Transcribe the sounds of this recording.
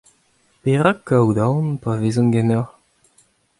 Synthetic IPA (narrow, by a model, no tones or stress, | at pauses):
peʁakːawd̪ɑ̃npavezɔ̃nɡɛnaʁ